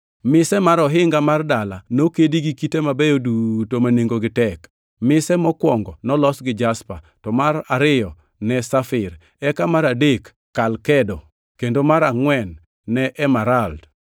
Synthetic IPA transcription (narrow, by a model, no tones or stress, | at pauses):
mɪsɛmaɾɔɦɪŋɡamardalanokediɡikitemabɛjodutomaneŋɡoɡɪtɛk | mɪsɛmɔkwɔŋɡɔnɔlɔsɡɪd͡ʒaspa | tɔmaɾaɾɪjɔ | nɛsafɪɾ | ɛkamaɾadekː | alkɛdɔ | kendomaɾaŋwɛnː | ɛʔɛmaɾald